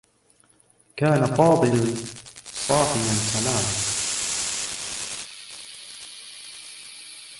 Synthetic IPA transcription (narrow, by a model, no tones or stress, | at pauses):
kʰaːnafɑːd̪ˤɨlan | sɑːħɪjansalaːma